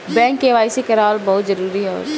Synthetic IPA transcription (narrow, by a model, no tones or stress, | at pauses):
bɛ̃ːŋkːeʋaːisekɐɾaːlbɐɦʊt̪zɐɾuːɾiɦɛɔ̰ːɾ